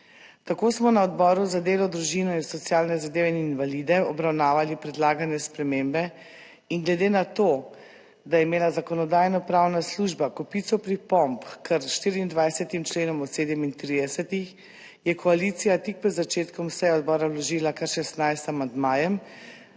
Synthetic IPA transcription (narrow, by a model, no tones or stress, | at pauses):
t̪akosmɔnaɔd̪bɔɾuzad̪eːlɔd̪ɾuʒiːnɔinsɔt̪sijaːlnɛzad̪eːʋɛininʋalid̪ɛɔbɾawnaːʋalipɾɛd̪laːɡanjɛspɾɛmeːmbɛ | iŋɡlɛd̪eːnat̪o | d̪ajɛimeːlazakɔnɔd̪aːjnɔpɾawnasluʒbakɔpit̪sɔpɾipɔmpkəɾʃt̪iːɾiiːnd̪ʋajsɛt̪imt͡ʃleːnɔmɔt̪seːd̪ɛmint̪ɾiːd̪ɛsɛt̪ix | jɛkʰɔalit̪sijat̪ik̚pɛd̪zat͡ʃeːt̪kɔmsɛjɛɔd̪̚bɔːɾawlɔʒiːlakaɾʃɛst̪najst̪amand̪maːjɛm